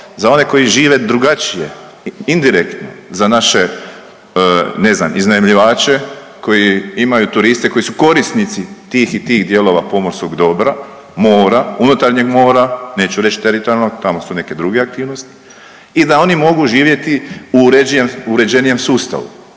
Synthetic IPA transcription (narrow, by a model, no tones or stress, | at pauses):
zao̞ne̞ko̞jiʒiːʋe̞d̪ɾuɡat͡ʃije̞̰ | ind̪iɾekt̪no̞̰zanaʃe̞ | ne̞zna̰miznaimʎiʋaːt͡ʃe̞ | ko̞jiimajut̪uɾist̪e̞ko̞jisuko̞ɾist̪nit̪sit̪iːxit̪iːxd̪je̞lo̞ʋa̰po̞mo̞ɾskoɡd̪o̞bɾa | mo̞ːɾaunut̪aɾɲeɡmo̞ːɾane̞ːt͡ʃuɾe̞t͡ʃt̪eɾit̪oɾjalnot̪amo̞sune̞ke̞d̪ɾuɡe̞ak̚t̪iːʋno̞st̪i̥ | id̪ao̞nimo̞ɡuʒiːʋje̞t̪iuɾed͡ʒjemuɾe̞d͡ʑe̞nije̞msuːst̪a̰ʋṵ